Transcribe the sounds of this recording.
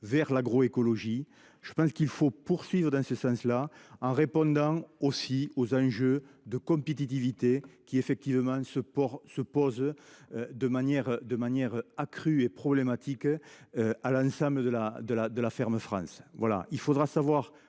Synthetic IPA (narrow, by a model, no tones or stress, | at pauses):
vɛʁlaɡʁɔekɔlɔʒi | ʒ̥əpɑ̃sə̥kilfopuʁsɥivʁəd̪ɑ̃səsɑ̃slaɑ̃ʁepɔ̃d̪ɑ̃osiozɑ̃ʒød̪əkɔ̃mpet̪̬it̪̬ivit̪ekʲiefɛk̚t̪ivəmɑ̃səpɔsəpɔzød̪əmanjɛʁd̪əmanjɛʁakχyepχɔblemat̪ʰikøalɑ̃sɑ̃mbləd̪əlad̪əlad̪əlafɛʁməfχɑ̰̃svwala̰ilfod̪ʁasavwaʁ